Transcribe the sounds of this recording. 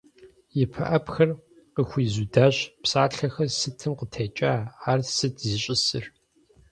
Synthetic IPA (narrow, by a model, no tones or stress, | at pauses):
jɪpʰɐʔɐpxɐr | qəxʷiːzudaːɕpsaːɬɐxɐrsɨtʰɨmqətʰet͡ʃʼaːaːrsɨtʰzɨɕʼɪsɨr